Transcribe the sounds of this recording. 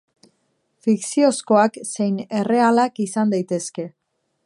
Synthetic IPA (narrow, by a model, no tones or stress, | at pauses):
fiksio̞sko̞akse̞jne̞re̞alakisand̪ajt̪e̞ske̞